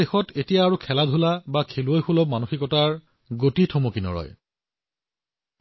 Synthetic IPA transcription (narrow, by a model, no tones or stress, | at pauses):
exɔtetijaːɹukʰɛladʱulabakʰeluojxulɔb̚manuxikɔtaɹ | ɡotitʰɔmokinɔ̰ɹɔ̰j